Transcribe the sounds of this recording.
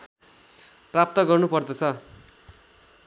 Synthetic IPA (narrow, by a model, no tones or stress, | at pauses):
prap̚t̪ʌɡʌrnupʌrd̪ʌt͡sʰʌ